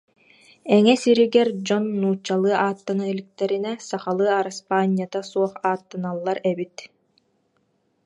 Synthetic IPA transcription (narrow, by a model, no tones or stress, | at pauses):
ɛŋɛsiɾiɡɛɾd͡ʑɔnːuːt͡ɕːalˠɯɐʔaːt̪ːanɯilʲik̚t̪ɛɾinɛsaχalˠɯɐaɾaspaːnʲːijat̪asuɔχaːt̪ːanalˠːaɾɛbit̪